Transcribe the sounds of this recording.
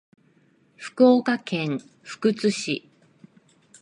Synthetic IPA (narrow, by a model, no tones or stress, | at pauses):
ɸɯ̥koːkakẽ̞ŋ | ɸɯ̥kɯ̟t͡sɨɕḭ